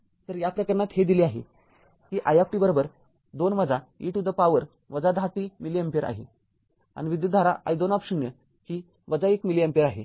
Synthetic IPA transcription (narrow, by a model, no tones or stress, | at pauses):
t̪əɾjapɾəkəɾnat̪hed̪iliaɦḛ | kiːʔajak̚ʈibəɾobəɾ | d̪onməd͡zaḭːʈud̪əpaʋəɾ | ʋəd͡zad̪ʱat̪imiliempeɾʔa̰ɦe | a̰ñiʋid̪jut̪ːaɾaʔa̰id̪onapɕəŋjə | kiː | ʋəd͡zaekmiliempeɾaɦḛ